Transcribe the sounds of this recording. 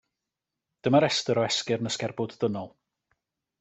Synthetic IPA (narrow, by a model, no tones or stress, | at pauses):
d̥əmaɾɛstəɾɔɛskɪrnəskɛrbʊdðənɔlˠ